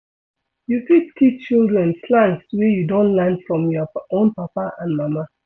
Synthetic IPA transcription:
jufittʰit̚t͡ʃildɹɛ̃nslãnkswɛjudõntlɛ̃ndfɹɔ̃mjɔʔõnpapaʔãndmama

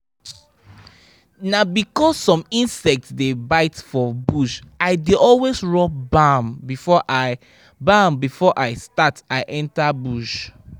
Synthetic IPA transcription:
nabikɔsːɔ̃mĩnsɛk̚tsdebaɪtfɔbuʃaɪdeɔlwesɹɔp̚bãmbifɔʔa | bambifɔʔaɪstataɪʔɛ̃ntabuʃ

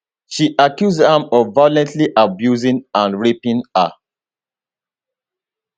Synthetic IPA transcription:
ʃiʔakjuzhãmɔvvajlɛ̃ntliʔabjuzĩnãnɹipĩna

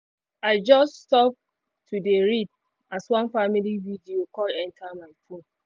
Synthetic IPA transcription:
aɪd͡ʒʌststɔp̚ | tʰudeɹid̚ | aswʌ̃nfamilividiokɔdɛ̃ntʰamaɪfõn

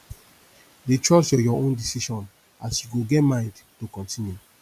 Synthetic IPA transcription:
detɹɔsjɔjɔõndisiʃɔ̃n | asjuɡoɡɛtmãɪ̃ndtokɔ̃ntĩnju

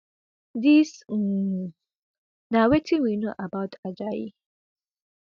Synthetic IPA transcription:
dis | nawetʰiwinoʔabaʊtʰad͡ʒajḭ

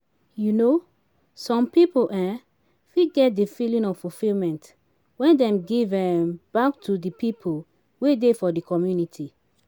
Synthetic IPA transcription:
juno | sɔ̃mpipolʔɛ | fiɡɛt̚difilĩnɔffulfilmɛ̃nt | wɛ̃ndɛ̃mɡivɛ̃mb̥ak̚tʰudipipʰol | wedefɔdikʰɔmjunitʰi

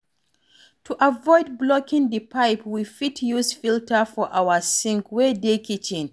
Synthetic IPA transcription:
tʰuʔavɔɪd̚blɔkĩŋdipajpwifitʰjuzfiltʰəfɔʔawəsĩŋkwɛdekit͡ʃĩn

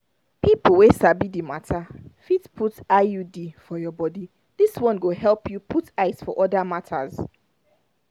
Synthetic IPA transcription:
pipl̩ˠwesabidimatʰafitpʰutajudifɔjɔbɔdi | diswɔ̃nɡohɛlˠpʰjupʰutaɪsfɔʔɔdamatʰa̰z̥

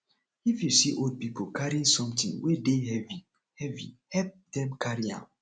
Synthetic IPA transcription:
ifjusiʔod̚pipʰokʰaɹiĩŋsɔ̃mtḭ̃ŋwedehɛvi | hɛvḭhɛp̚dɛ̃mkʰaɹiã̰

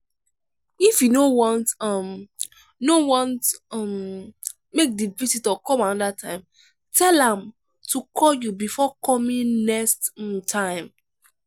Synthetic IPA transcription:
ifjudõwɔ̃ntm | jdõwɔ̃ntm | mek̚divisitɔkɔ̃manɔdatʰãɪ̃m | tʰɛlãm | tʰukʰɔljubifɔkʰɔmĩnnɛksttʰãɪ̃m

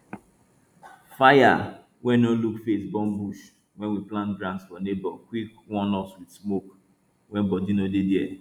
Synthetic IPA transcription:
faja̰ | wɛ̃nolukfesbɔ̃mbuʃ | wɛ̃nwiplãntɡɾãntsfɔnebɔkwikwɔ̃nɔswid̥smok | wɛ̃nbɔdinodediɛ

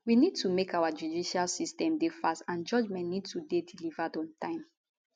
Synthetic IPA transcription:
winid̚tʰumekʰawad͡ʒudiʃalsistɛ̃mdefastãnd͡ʒɔd͡ʒmɛ̃nnid̚tudedilivadɔ̃ntãɪ̃m

